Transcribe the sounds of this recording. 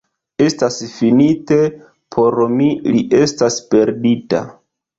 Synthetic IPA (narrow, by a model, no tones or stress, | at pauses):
e̞stasfinite̞ | pʰo̞ɾmiliʔe̞staspe̞ɾdita̰